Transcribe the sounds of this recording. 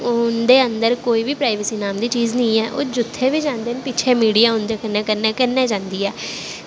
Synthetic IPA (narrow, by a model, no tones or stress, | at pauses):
ʊnd̪eːənd̪əɾkoːiːbiːpɾaːɪʋəsiːnaːmd̪iːt͡ʃiːznə̃ːɛːʔo̰ːd͡ʒʊt̪ʰːeːʋiːd͡ʒãːnd̪eːnpit͡ʃʰeːmiːɽiːaːʊnd̪eːkəneːkəɾneːkəɾnːeːd͡ʒãːnd̪iːɛː